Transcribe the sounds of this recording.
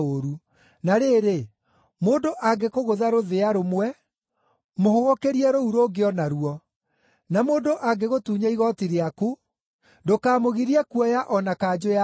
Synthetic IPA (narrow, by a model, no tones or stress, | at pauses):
oɾu | naɾeːɾe | moːndoʔaɡekoɣoðaɾoðeaɾomwɛ | mohoɣɔkeɾiɛɾouɾoɡeɔnaɾuɔ | namoːndoʔaɡeɣotuːɲaiɣɔtiɾeaku | dokaːmoɣiɾiɛkuɔjaʔɔnakaːd͡ʒoa